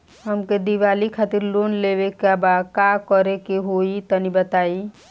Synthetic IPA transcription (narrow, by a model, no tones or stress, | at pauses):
ɦəmked̪iʋalikʰaːt̪iɾlonlebekabakakəɾekeɦoit̪ənibət̪aːi